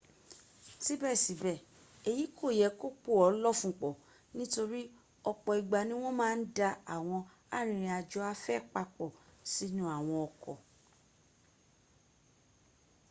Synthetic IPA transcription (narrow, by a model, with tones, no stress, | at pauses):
ti˦bɛ˦˨si˨˦bɛ˨ | e˨ji˨˦kʰo˦˨jɛ˨˦ko˦k͡po˦˨ɔ˨˦lɔ˦˨fũ˦˨k͡pɔ˨ | nĩ˦to˧ɾi˦ | ɔ˧k͡pɔ˧i˨ɡ͡ba˨nĩ˦w̃ɔ̃˦mãː˦n̩˦da˧a̰˨w̃ɔ̃˧ | a˦˨ɾ̃ĩ˧ɾ̃ĩ˧a˧d͡ʒɔ˧˦a˦fɛ˦˨k͡pa˧k͡pɔ˨si˨˦nũ˦a˦˨w̃ɔ̃˧ɔ˧kɔ˨